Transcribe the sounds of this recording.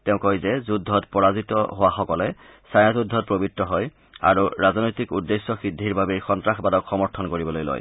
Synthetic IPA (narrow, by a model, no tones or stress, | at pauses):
tɛʊ̃kɔjzɛzudʱːɔtpɔɹazitɔɦowaxɔkɔlɛ | sajãzudʱːɔt̚pɹobitːɔɦɔj | a̰ɹuɹaznojtikudːesːɔxidʱːiɹbabejxɔntɹaxbadɔkʰxɔmɔɹtʰɔnkoɹibɔlojlo̰j